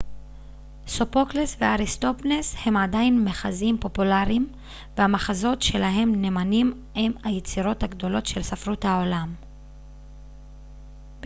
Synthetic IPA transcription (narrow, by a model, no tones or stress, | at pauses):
so̞po̞klesveaʁist̪o̞pneshe̞madainme̞χazimpo̞pulaʁim | vehamaχazo̞tʃe̞laɦe̞mne̞manim | emhajet͡siʁo̞thaɡdo̞lo̞tʃe̞lsafʁuthao̞lam